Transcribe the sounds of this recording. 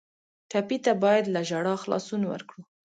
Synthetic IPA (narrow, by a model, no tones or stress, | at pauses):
tapit̪abɑjad̪laʒaɽɑxlɑ̰sunawə̰ɾkɽu